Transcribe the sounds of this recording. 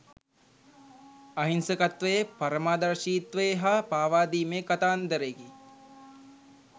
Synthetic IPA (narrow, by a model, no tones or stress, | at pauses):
ɐɦinsəkat̪ʋəjepɐɾəmaːd̪aɾʃiːt̪ʋəjeɦapaːʋaːd̪iːmeːkat̪aːnd̪əɾeɡi